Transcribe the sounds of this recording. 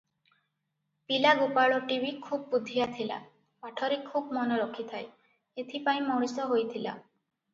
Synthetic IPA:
pilaɡupaɭɔʈibikʰub̚ːud̪ʱːijat̪ʰila̰ | paʈʰɔɾekʰubmɔnoɾɔkʰit̪ʰaj | et̪ʰipaĩmɔɾ̃isɔɦojt̪ʰila̰

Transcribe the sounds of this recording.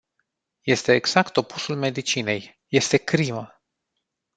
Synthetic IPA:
je̞st̪e̞ːɡz̥akt̪o̞pusulme̞d̪it͡ʃine̞j | je̞st̪e̞kɾimə

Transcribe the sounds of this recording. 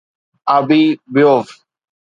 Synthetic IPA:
abibɪjof

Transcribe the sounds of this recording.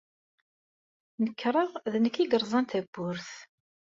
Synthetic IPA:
nəkːɾˤɑʁðnəkːiɡəɾˤzˤɑnt̪æbːʊɾθ

